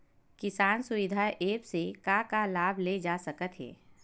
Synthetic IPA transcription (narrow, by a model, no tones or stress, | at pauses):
kɪsaːnsʊwɪd̪ʱaːʔeːpsekakalaːbʱled͡ʒaːsəkət̪ɦɛ̰ː